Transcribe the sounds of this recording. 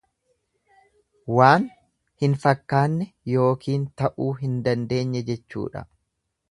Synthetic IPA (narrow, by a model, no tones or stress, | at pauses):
waːn | hɪnfɐkːaːnːɛjo̞ːkʰiːnt̪ɐʔuːɦɪnd̪ɐnd̪e̞ːɲːɛd͡ʒɛt͡ʃːṵːᶑɐ̰